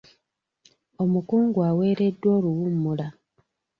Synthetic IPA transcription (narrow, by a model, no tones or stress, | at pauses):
o̞mukuːŋɡwawe̞ːɾe̞dːwo̞ːluwumːula